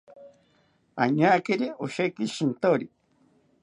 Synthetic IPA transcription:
aɲakeɾioʃekiʃint̪oɾi

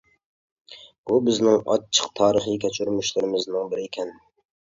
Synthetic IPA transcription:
b̥ubɪznɪŋɑ̰t͡ʃʰːə̥qt̪ʰɑːɾəχikʲɛt͡ʃʰyɾmyʃlɪɾɪmɪznɪŋbɪɾɪːkʲʰɛn

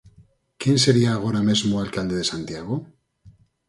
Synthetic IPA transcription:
kenseɾiaːɣ̞oɾame̞zmoalkald̪eðesant̪iaɣo

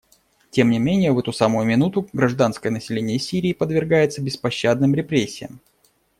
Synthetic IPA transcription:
tʲe̞mnʲɪmʲenʲɪjəvɛt̪ʊsamʊjʊmʲɪnut̪ʊɡɾɐʐd̪an̪skəjənəsʲɪlʲenʲɪjəsʲiɾʲɪːpəd̪vʲɪrɡajɪt̪səbʲɪspɐɕːad̪̚nɨmɾʲɪpɾʲesʲːɪjə̰m

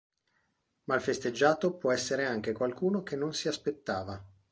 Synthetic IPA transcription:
mailfest̪ed͡ʒːaːt̪opwɔɛsːeɾeaŋk̟ekwalkuːnokenːonsiaspet̪ːaːva

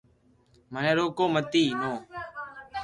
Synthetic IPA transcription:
mənẽːɾoːkoːmət̪iːnõː

